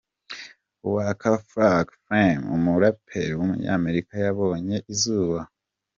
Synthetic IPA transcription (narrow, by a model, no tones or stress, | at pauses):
uwakʰafɾaɡfɾamṵmuɾapʰeɾwumṵɲa̰ːme̞ɾikajaβo̞ːɲe̞ʔizuːβa